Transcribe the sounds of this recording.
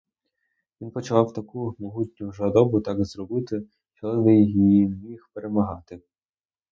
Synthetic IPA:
ʋʲinpɔt͡ʃɐlˠɑwt̪ɐkumɔɦutʲnʲʊʒɐd̪ɔbʊt̪ɑɡzrɔbɪt̪ɪ | t͡ʃɔʋɪjiiimʲixpeɾemɐɦɑt̪ɪ

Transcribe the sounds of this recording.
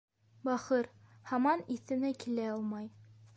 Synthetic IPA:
bɑχɤɾhɑmɑniθɘ̆nækilæɑlˠmɑj

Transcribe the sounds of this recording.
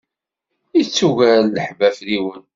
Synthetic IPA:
it͡sːuʝælːəħbæfliwən

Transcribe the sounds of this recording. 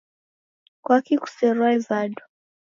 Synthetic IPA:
kwakiku̥sɛɾaɛzadɔ̥

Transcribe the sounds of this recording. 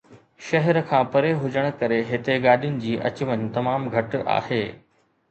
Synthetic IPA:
ʃɐɦɛɾkʰãːpɐɾeɦʊd͡ʑəɽ̃kɐɾeɦɪt̪eɡaːɗijʊnɪ̆d͡ʑiːʔɐ̰t͡ɕʋənt̪ɐmaːmɡʱɐʈa̰ːheː

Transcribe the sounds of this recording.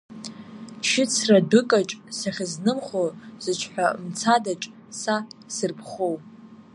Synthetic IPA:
t͡ʃʰɪt͡sʰradɨkʼaʈ͡ʂʼsaχʲɪznɨmχoz̥ɨt͡ʃʷʰħʷᶣamt͡sʰadaʈ͡ʂʼ | sasɨrpʰχow

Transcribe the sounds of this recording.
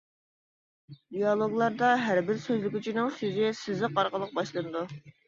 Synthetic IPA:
d̪ijɑlˠoɡlˠɑɾd̪ɑɦæɾbɪɾsøzlɪkʲyt͡ʃʰinɪŋsøzɪsɪzɪqɑɾqəlˠəq̚bɑʃlˠɨnɨd̪u

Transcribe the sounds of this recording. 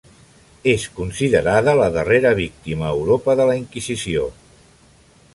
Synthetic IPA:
eskunsiðəɾaðələðəreɾəβ̞ik̚t̪iməːwɾopəðələiŋkizisio

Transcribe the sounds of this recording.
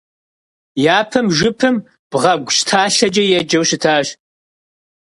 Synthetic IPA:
jaːpʰɨmʒʷʊpʰɨm | b̥ʁɐɡʷʊɕtʰaːɬɐd͡ʒɐjɛd͡ʒɐwɕɪtʰaːɕ

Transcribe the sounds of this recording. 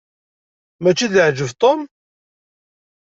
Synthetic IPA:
mæt͡ʃːiðʕd͡ʒəvt̪ˤom

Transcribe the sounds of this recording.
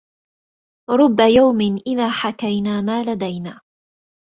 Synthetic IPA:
ɾˤʊbːajawmɪnʔɪðaːħakajnaːmaːlad̪ajnaː

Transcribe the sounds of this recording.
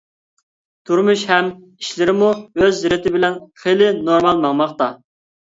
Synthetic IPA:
t̪ʰuɾmuʃhɛm | iʃlɪɾɪmuøzːɪɾɪt̪ɪbɪlɛnχelɪnoɾmɑlˠmɑŋmɑχt̪ɑ

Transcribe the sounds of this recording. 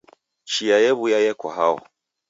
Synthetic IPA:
t͡ʃijajɛβujajɛkwa̰ɦawɔ̰

